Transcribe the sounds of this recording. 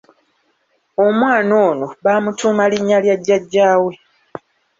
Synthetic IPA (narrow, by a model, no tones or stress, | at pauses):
omwaːno̞ːnoβaːmutʰuːmaliɲːaljaɟːaɟːaːwe̞